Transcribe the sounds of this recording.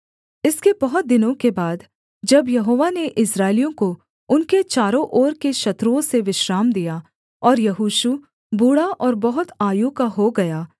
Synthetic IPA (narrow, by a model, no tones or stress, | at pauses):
ɪskebɐɦʊt̪̚d̪ɪnõkebaːd̪ | d͡ʒɐbjɐɦoːʋaneʔɪsɾaːɪlijõko | ʊnket͡ʃaːɾõʔoːɾkeʃɐt̪ɾuõseʋɪʃɾaːmd̪ija | ɔːɾjɐɦuːʃu | buːɽaʔɔːɾbɐɦʊt̪aːjuːkaɦoɡɐjaː